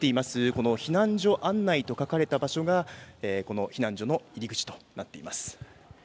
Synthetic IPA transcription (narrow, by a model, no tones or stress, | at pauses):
e̞imasɨko̞no̞çinãɲd͡ʑo̞ʔãnːait̪o̞kakaɾe̞t̪abaɕo̞ɡaeːko̞no̞çinãɲ̟d͡ʑo̞no̞iɾʲiɡɯ̟t͡ɕi̥t̪o̞̥nat̪ːe̞imasɨ̥